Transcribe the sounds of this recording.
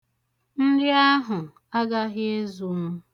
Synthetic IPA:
n̩˦dɪ˦a˦ɦʊ˨ | a˦ɡa˦ɦɪ˦e˦zu˨˦ŋʊ˦

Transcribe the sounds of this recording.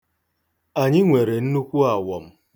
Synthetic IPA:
a˨ɲɪ˦ŋʷe˨ɾe˨n̩˦nu˦kʷu˦a˨wɔ˨m̩˦

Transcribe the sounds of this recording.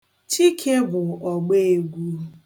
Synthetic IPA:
t͡ʃi˦kʰe˦bʊ˨ɔ˨ɡ͡be˦e˦˨ɡʷu˦

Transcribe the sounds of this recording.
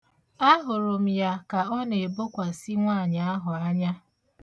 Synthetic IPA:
a˦ɦʊ˨ɾʊ˨m̩˨ja˨ka˨ɔ˦ne˨bo˦kʷa˨si˦ŋʷaː˦˨ɲa˨˦ɦʊ˨a˦ɲa˦

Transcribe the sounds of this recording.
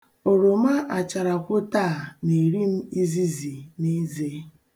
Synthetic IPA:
o˨ɾo˨ma˦ʔa˨t͡ʃa˨ɾa˨kʷʊ˦ta˦˨ni˨ɾi˦m̩˦i˦zi˦zi˨ni˦ze˦

